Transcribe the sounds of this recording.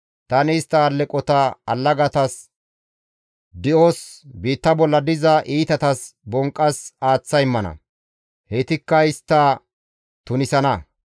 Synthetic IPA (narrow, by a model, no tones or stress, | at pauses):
t̪ɐnɪːst̪ːɐːlːɛkʼɔt̪ɐɐ̰lːɐɡɐt̪ɐs | d̪ɪʔosbiːt̪ːɐbɔlːɐd̪ɪzɐʔiːt̪ɐt̪ɐsbɔŋkʼːɐsaːt͡sːɐjɪmːɐnɐ̰ | het̪ɪkːɐɪst̪ːɐ | t̪ʊnɪsɐnɐ